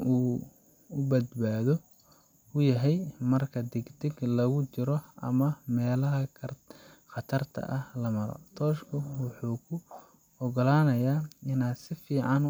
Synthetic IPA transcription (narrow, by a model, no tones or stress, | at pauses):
uː | ʊbɐd̪baːðɔ | ʊjɐɦɛjmɐrkʰɐd̪ɪɡd̪ɪɡlɐɣʊt͡ʃɪɾɔʔɐ̰mɐmɛːlɐɦɐ | xɑt̪ʰɐrt̪ʰɐ̰ʔɐhlɐmɐɾɔ̰t̪ʰɔːʃkʰʊwɑħuːkʰʊ | ɔɡɔlaːnɐjaːɪnasɪfiːʕɑn